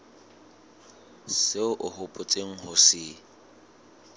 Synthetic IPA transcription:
seʊʔʊhʊpʼʊt͡sʼeŋ̩hʊsɪ

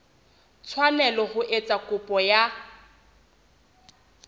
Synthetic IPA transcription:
t͡sʰwanɛlɔhʊʔet͡sʼakʼʊpʼɔja

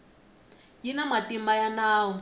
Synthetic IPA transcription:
jinamatimajanaːwɔ

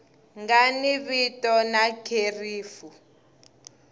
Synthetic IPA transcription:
ŋɡaniβitʼɔnakʰeriːfu

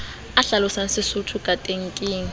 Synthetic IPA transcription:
aɬalɔsan̩sɪsʊtʰukʼatʼeŋ̩kʼiːŋ̩

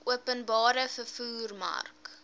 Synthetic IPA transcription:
uəpənbɑːɾəfəfuːrmɐ̰rk

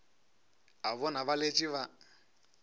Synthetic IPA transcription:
ɦaβɔnaβalet͡ʃʼiβa

